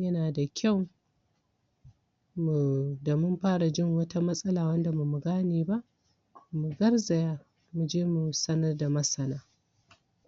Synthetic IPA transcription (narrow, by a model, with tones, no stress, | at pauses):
jɐ˦naː˨da˨kʲʰa˦˨w | mu˨da˨mʊ˦mɸaː˦ɽa˨d͡ʒɪ˦˨ŋwɐ˦ta˦mɐ˦sʼɐ˦laː˨wɐ˦nda˨mu˨mu˨ɡaː˦neː˨ba˦ʔ | mu˨ɡɐ˦rza˨jaː˦ | mu˨d͡ʒeː˦mu˨sɐ˦nɐ˦rda˨mɐ˦sɐ˦naː˦